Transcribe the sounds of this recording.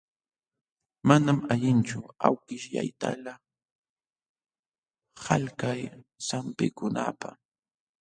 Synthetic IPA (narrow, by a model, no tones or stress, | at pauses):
manamaʎɪnt͡ʃʊawkɪʃja̰jt̪a̰la | halkajsampɪ̰kʊna̰pa